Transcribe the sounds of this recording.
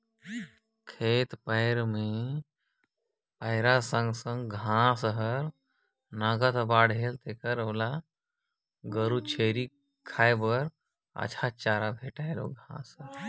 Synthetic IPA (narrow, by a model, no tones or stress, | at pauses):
kʰeːt̪pəɪɾmẽ | pəɪɾasə̃ŋɡsə̃ŋɡɡʱãsɦəɾ | nəɡət̪baːɽɦeːlt̪ekəɾəːla | ɡəɾut͡ʃʰeɾi | kʰaːjbəɾ | ə̰t͡ʃʰat͡ʃaːɾabʱeːʈaelo̰ɡʱãsə